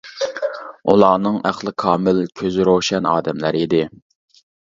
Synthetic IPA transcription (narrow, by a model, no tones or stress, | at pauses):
ulˠɑːnɨŋæ̰χlˠɨkʰɑːmɪlkʲʰøzɪɾoʃɛnɑ̰ːd̪ɛmlæɾid̪ɪ